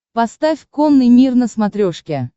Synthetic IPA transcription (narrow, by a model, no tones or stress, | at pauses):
pɐst̪afʲkomnɨjmʲirnəsmat̪ɾʲoʂkʲe